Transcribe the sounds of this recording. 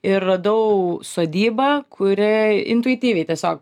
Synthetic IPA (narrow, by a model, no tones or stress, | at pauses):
ɪrːɐd̪ɐʊsoːd̪ʲiːbɐːkʰʊɾʲɪɪ̰nt̪ʊɪt̪ʲiːʋʲɛɪt̪ʲiɛsʲoːk̚